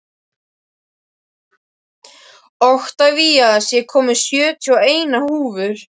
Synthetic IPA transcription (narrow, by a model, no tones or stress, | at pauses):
ɔht̪aviːjaðsjɛkʰɔːmʏ̥sjœːt̪ʰjɔeːjnahuːvʏɾ̥